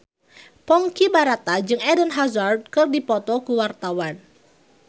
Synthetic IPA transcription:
pɔŋkibaɾat̪ad͡ʒɨŋɛdənɦazard̚kɨrdipɔt̪ɔkuwart̪awan

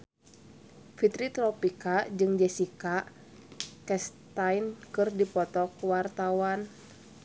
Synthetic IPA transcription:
fit̪ɾit̪ɾɔpikad͡ʒɨŋd͡ʒɛsika | kɛst̪ajnkɨrdipɔt̪ɔkwart̪awan

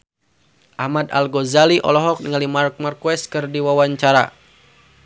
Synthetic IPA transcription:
ʔahmad̪a̰lɡɔzaliʔɔ̰lɔɦɔk̚niŋalimark̚markwɛst̪̚kɨrdiwawaɲt͡ʃaɾa̰

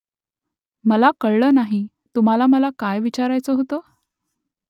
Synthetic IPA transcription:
məlakəɭɭəːnaɦi | t̪um̤alaməlakajʋit͡ɕaɾajt͡səɦot̪oː

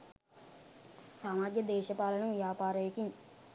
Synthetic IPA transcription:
saːmaːɡjɐd̪eːʃɐpaːlɐɳɐʋijaːpaːɾɐjekiɲ

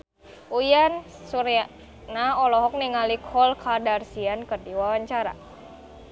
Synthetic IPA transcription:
ujansuɾia | naɔlɔɦɔk̚niŋalikʰɔlkʰadarsiankərdiwawaɲt͡ʃaɾa̰

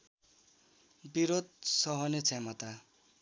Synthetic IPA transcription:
biɾod̪̚sʌɦʌnet͡sʰemʌt̪a

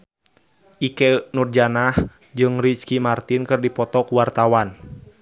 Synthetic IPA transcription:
ʔikɛnurd͡ʒanah | d͡ʒɨŋriskimart̪inkɨrdipɔt̪ɔkuwart̪awan

